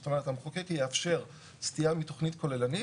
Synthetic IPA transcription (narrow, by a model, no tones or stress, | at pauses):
tanaat̪amχokekejeafʃe̞ʁ | stijamito̞χnitko̞lelani